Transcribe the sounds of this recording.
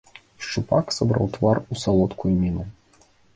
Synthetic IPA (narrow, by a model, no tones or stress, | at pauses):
ʂt͡ʂupaksabɾa̰wt̪varusalˠɔt̪kujumʲinu